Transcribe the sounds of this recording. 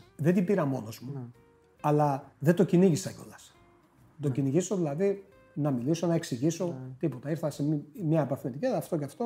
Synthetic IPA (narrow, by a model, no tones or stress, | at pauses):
ðet̪ibiɾɐmo̞no̞zmu | ɐlɐðet̪o̞ciniʝisɐicolɐs | t̪o̞ciniʝiso̞ðilɐði | nɐmiliso̞nɐeksiʝiso̞t̪ipo̞t̪ɐiɾθɐsemimɲɐepɐfinet̪iceðɐft̪o̞ceɐft̪o̞